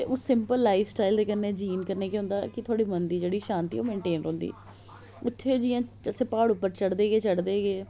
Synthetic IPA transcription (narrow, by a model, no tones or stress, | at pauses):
eʔosɪmpəlːaːifsʈaːɪld̪eːkəneːd͡ʒiːnkəɾneːkiɦʊ̃nd̪aːkɪt̪ʰoaːɽiːmənd̪iːd͡ʒeːɽiːʃãːnt̪ḭo̰ːmẽːɳʈeːnɾõːnd̪ḭː | ʊt̪ʰːeːd͡ʒiːãːt͡ʃəsɪpaːɽʊpːəɾt͡ʃəɽd̪eːɡeːt͡ʃəɽd̪eːɡeː